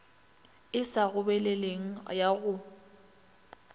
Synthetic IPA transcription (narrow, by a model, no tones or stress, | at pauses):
ɪsaɣʊbɛleleŋ̩jaɣʊ